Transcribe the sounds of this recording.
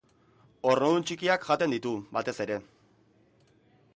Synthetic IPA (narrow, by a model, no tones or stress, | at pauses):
o̞rnoðunt͡ʃikiakʝat̪e̞nd̪it̪ubat̪e̞se̞ɾe̞